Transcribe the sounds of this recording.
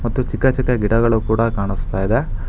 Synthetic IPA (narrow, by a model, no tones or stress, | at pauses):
mɐt̪ːut͡ʃikːɐt͡ʃikːɐɡiʈɐɣɐɭukuːɽɐkaːɳist̪aːjid̪e